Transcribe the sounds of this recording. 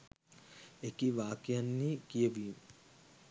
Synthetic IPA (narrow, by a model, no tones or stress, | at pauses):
ekiʋaːkijanːiːkijəʋiːmə